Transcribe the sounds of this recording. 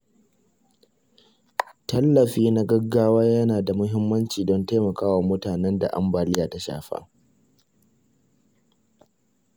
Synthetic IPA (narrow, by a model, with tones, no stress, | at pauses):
tɐ˦lːɐ˨ɸiː˦na˦ɡɐ˦ɡːaː˦waː˦jɐ˦naː˨da˨mʊ˦ɦɪ˦mːɐ˦nt͡ʃiː˨dɔ˦ntaː˦mɐ˨kaː˦wa˨mʊ˦taː˨nɛ˦nda̰˨ʔa̰˦mbaː˨lɪ˦jaː˨ta˦ʃa̰ː˨ɸa̰˦